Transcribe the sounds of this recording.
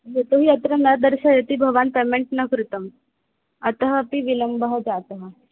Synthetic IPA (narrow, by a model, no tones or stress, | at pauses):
jet̪oɦiːɐt̪ɾənɐd̪əɾɕajet̪iːbʱəɡʋanpemeɳʈnəkɾut̪əm | ət̪əɦəpiʋiləmbəɦəd͡zat̪əɦə